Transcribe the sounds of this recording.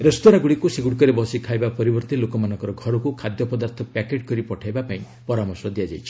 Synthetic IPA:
ɾest̪ɔɾaɡuɽikuseɡuɽkɔɾebɔsikʰajbapɔɾibɔɾt̪ilokɔmanɔ̃ŋkɔɾɔɡʱɔɾɔkukʰad̪jɔpɔd̪aɾt̪ʰɔpakeʈ̚kɔɾipɔʈʰajbapaĩ | pɔɾamɔɾsɔd̪iad͡ʒajt͡ʃʰi̥

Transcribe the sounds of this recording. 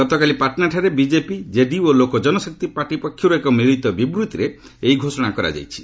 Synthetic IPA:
ɔt̪ɔkalipaɾʈnaɾʈʰaɾebid͡ʒepid͡ʒeɖiolokɔd͡ʒɔnɔsɔk̚t̪ipaʈipɔkʰːjuɾuekɔmiɾit̪ɔbibɾut̪iɾe | eiɡʱosɔɽ̃akɔɾa̰d͡ʒa̰jt͡ʃʰi̥

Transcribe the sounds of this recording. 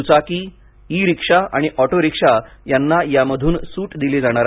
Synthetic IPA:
ut͡sakiː | iːɾikʂaa̰ɽ̃iʔɔʈoɾikʂajanːajaməd̪ʱuːnsuːʈd̪iled͡zaɽ̃aɾa

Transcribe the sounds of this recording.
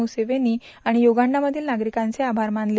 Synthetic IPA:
useʋeniː | aɽ̃ijoɡaɳɖaməd̪ʱiːlnaɡɾikãnt͡seabʱaɾmaɳle

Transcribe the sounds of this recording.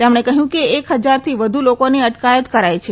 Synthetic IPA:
t̪emɳ̃ekəɦjũkeːkɦəd͡ʒaɾt̪ʰiʋəd̪ʱulokoniəʈkajət̪kəɾajt͡ʃʰe

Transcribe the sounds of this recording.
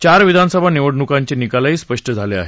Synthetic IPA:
t͡ɕaɾʋid̪ʱansəbʱaniʋəɽnukaɲt͡ɕenikalaiːspəʂʈʰəd͡zʱalea̰ɦe

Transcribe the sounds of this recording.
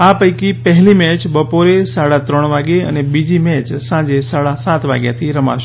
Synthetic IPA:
apəjkipəɦlimɛt͡ʃbəpoɾesaɽat̪ɾəɳ̃ʋaɡeə̰nebid͡ʒimɛt͡ʃsãd͡ʒesaɽasat̪ʋa̰ɡja̰t̪ʰiɾəma̰ʃ

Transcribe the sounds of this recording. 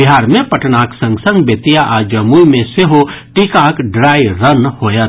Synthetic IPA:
biɦaːɾmẽpəʈnaksə̃ŋɡsə̃ŋɡbet̪ijaʔad͡ʒəmuimẽseɦoʈikakɖɾaːiɾənhojət̪

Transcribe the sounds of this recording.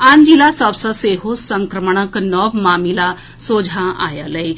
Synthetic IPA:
and͡ʑilasəwsəseɦosəŋkɾəməɳ̃əknɔʋmamila | sod͡zʱaʔa̰ja̰ləj

